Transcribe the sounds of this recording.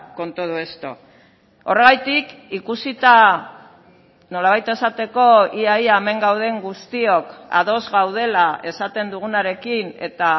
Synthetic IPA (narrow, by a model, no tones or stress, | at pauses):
ko̞nt̪oð̞ue̞st̪o̞̰ | o̞re̞ɣ̞ajt̪ikikusit̪a | no̞laβ̞ajt̪e̞sat̪e̞ko̞iajaeme̞ŋɡawð̞e̞ŋɡust̪io̞ka̰ðo̞zɣawð̞e̞lae̞sat̪e̞nd̪uɣ̞unaɾe̞kine̞̰t̪a